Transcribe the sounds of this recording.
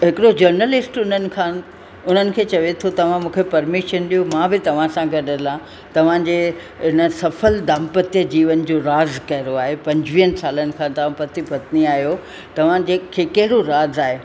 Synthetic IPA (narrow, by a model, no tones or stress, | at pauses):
ɦɪkɪɽod͡ʑɐɾnəlɪsʈʊnənɪ̆kʰã | ʊn̤ənɪ̆kʰeːt͡ɕɐʋet̪ʰot̪ɐʋ̤ãmũːkʰepɐɾmɪʃənɗiɦomãːbɪt̪ɐʋ̤ãsãɡʱɐɗəlã | t̪ɐʋ̤ãd͡ʑeː | ɦɪnəsɐfəld̪aːmpət̪jəd͡ʑiːʋənɪ̆d͡ʑoːɾaːzkɐɦɪɾoaːɦepɐ̃ɲd͡ʑʋiːənɪ̆saːlənɪ̆kʰãːd̪aãpɐt̪ipɐt̪niaːɦjo | t̪ɐʋ̤ãd͡ʑeːkʰːeːkɐɦɪɽoɾaːzaːɦeː